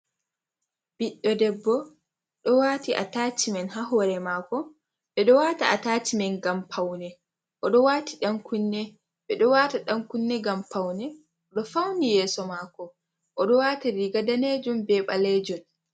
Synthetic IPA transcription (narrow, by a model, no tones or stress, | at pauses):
b̥iɗːɔdɛbːɔ | ɗɔwaːtiʔa̰taːt͡ʃimɛnɦaɦɔɾɛmakɔ | ɓɛɗɔwataatat͡ʃimɛnɡampʰawnɛ | ʔɔɗɔwaːtiɗaŋkunːɛ | ɓɛɗɔwataɗaŋkunːɛɡampawnɛ | ɔɗɔfawnijɛːsɔmaːkɔ | ʔɔɗɔwataɾiɡadaned͡ʒumbɛɓaled͡ʒɔn